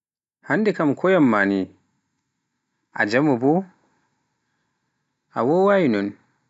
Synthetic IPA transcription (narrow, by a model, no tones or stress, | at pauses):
handɛkamkʰɔjamːani | ʔa̰d͡ʒamubɔ | ʔawɔwajinɔn